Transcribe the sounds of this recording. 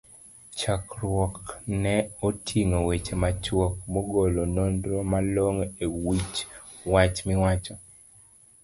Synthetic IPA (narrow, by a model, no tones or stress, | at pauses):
t͡ʃakɾwɔknɛotʰiŋowet͡ʃemat͡ʃwɔkmoɡolonondɾomaloŋewit͡ʃ | wat͡ʃmɪwat͡ʃɔ